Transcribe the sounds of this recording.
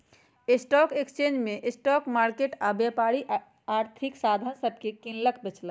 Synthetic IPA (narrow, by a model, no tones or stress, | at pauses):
ɪsʈɔːkekst͡ʃẽnd͡ʒmẽʔsʈɔːkmaːɾkeʈabjapaːɾi | aːɾt̪ʰiksaːd̪ʱansəb̚ʱkekĩnləkʰbet͡ʃlə